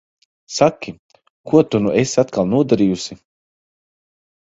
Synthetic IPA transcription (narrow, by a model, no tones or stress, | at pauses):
sakʲːi | kuɔt̪unuesat̪kalˠnuɔd̪aɾiːjusʲi